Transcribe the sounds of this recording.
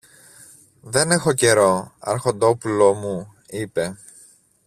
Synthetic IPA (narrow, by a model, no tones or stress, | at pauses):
ðe̞ne̞xo̞ce̞ɾo̞ɐ̰ɾxo̞nd̪o̞pulo̞mu | ipe̞